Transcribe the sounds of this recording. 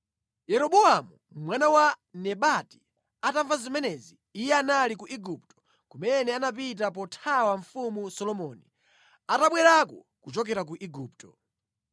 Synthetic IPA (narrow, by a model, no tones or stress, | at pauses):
jɛɾɔɓuamu | mwanawanɛɓati̥ | ataɱvazimɛnɛziːjɛanalikuʔiɡup̚tɔ̥ | kumɛnɛanap̬it̬ap̬ɔtʰawaɱfumusɔlɔmɔni | ataɓwɛɾakɔ | kut͡ʃɔk̬ɛɾak̬uʔiɡuːptɔ